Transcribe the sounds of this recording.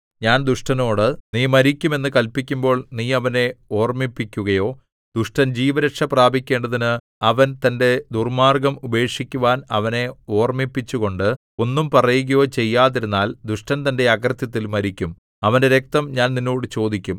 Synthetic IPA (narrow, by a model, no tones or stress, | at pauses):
ɲaːnd̪uʂʈɐno̞ːɽɨniːmɐɾikʲːume̞nːɨkɐlpikʲːumbo̞ːɭniːɐʋɐne̞o̞ːrmipːikʲːuɣɐjo̞ː | d̪uʂʈɐnd͡ʑiːʋɐɾɐkʂɐpraːbʱikʲːe̞ːɳɖɐðinɨ | ɐʋɐnt̪ɐnde̞d̪urmaːrɡɐmube̞ːkʂikʲːuʋaːnɐ̰ʋɐne̞o̞ːrmipːit͡ɕːuɣo̞ɳɖɨ | o̞nːumpɐrɐjuɣɐjo̞ːt͡ɕe̞jːaːðiɾunːaːld̪uʂʈɐnt̪ɐnde̞ɐɡrɐt̪jɐt̪ːilmɐɾikʲːum | ɐʋɐnde̞ɾek̚t̪ɐmɲaːnninːo̞ːɽɨt͡ɕo̞ːd̪ikʲːum